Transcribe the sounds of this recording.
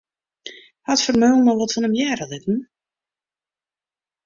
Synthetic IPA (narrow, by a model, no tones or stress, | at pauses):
hatfərmøːlˠnɔʋɔtfɔnəmjɛːɾəlɪtn̩